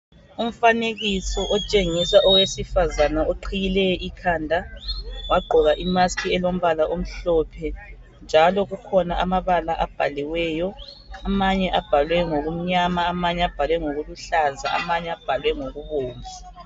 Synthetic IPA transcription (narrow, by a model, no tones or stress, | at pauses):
um̩faneɣisɔʔɔt͡ʃʼeŋisaʔɔwesifazanaoǃʰijilɛjɔʔikʰaːndʱawaɡ͡ǃʱɔɣaʔimaskʰiɛlom̩βalaʔom̩ɬɔpʰɛ | nd͡ʒʱalɔɣukʰɔnaʔamaβalaʔab̥ʱaliwɛjɔ | amaɲɛʔab̥ʱalwɛŋoɣum̩ɲamaːmaɲɛab̥ʱalwɛŋoɣuluɬaza̰a̰maɲɛab̥ʱalwɛŋoɣuβoːmvʱi